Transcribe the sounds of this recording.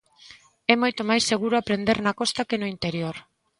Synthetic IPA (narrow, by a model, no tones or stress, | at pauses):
ɛmojt̪omajsːeɣuɾoapɾend̪eɾnakɔst̪akenoint̪eɾjoɾ